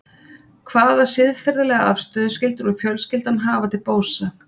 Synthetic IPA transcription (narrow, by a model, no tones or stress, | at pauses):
kʰvaːðvaɾ̥sɪðfɛɾðɪlɛɣaʔafst̪œːðʏscɪlt̪ʏɾɔɣfjœlscɪlt̪anɦaːvat̪ʰɪlpoːwsa